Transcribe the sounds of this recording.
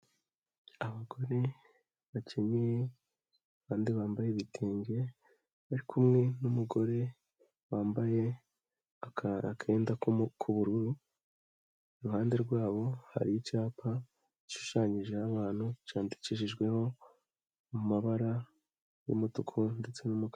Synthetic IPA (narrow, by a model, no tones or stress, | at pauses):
aβaɡo̞ɾe̞ | βacʰeɲije | βaːndiβaːmbajeβitʰiːɲɟe̞ | βaɾikʰumŋe̞numuɡo̞ɾe̞ | waːmbaje̞ | akʰe̞ːndakʰuβuɾuɾu | ɾuhaːnde̞ɾɡwaːβo̞ha̰ɾijit͡ʃaːpa | iʃu̥ʃaɲiʒe̞aβaːn̥hut͡ʃaːmdi̥ciʃiʒɡwe̞ho̞ | mumaβaɾa | jṵmotukʰonde̞t͡se̞numuka